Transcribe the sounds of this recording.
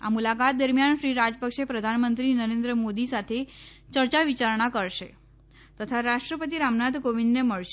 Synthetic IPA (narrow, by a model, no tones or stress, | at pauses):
a̰mulakat̪̚d̪əɾmjanʃɾiɾad͡ʒəpəkʂepɾəd̪ʱanmənt̪ɾinəɾend̪ɾəmod̪isat̪ʰet͡ɕəɾaʋit͡ɕaɾɳ̃akəɾʃe | t̪ət̪ʰaɾaʂʈɾəpət̪̬iɾamnad̪koʋinːeməɭʃe